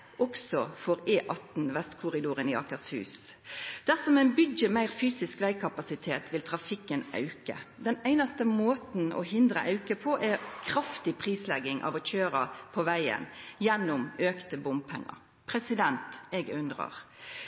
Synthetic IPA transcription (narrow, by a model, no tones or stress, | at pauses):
ʔɔksɔfɔʁeːʔɑt̪n̩ʋɛst̪kʰʊʁɪd̪uːɾənɪɑ̰kəshʉ̰ːsd̪̥æʁsɔmæɪnbʏd̪jəmæɪʁfyːsɪskʋæɪkʰɑpɑsɪt̪ʰeːt̪ʰʋɪlt̪ʰʁɑfɪkːənɑ̰ʉkə̰d̪ɛnæɪnɑst̪əmoːt̪n̩ɔ̰hɪnd̪ɾʁə̰ʔɑʉkəpʰɔʔæʁkʰʁɑft̪ɪpʰʁiːslɛɡːɪŋʔɑ̰ʋɔc͡çøːɾə̰pʰɔʋæɪə̰njɛnːʊmøːkt̪əbʊmpʰɛ̰ŋːə̰ʁ | pʰʁɛsɪd̪ɛnt̪ɛɡʉnd̪ʁɑ̰ʁ